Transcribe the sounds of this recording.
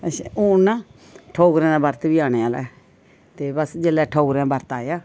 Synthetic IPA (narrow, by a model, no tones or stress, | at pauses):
ə̃oːnãː | ʈʰoːɡɾẽːd̪aːbəɾt̪biːaːneaːlɛ̰ː | t̪eːbəsd͡ʒeːlɛːʈʰoːɡɾãːbəɾt̪aːjaː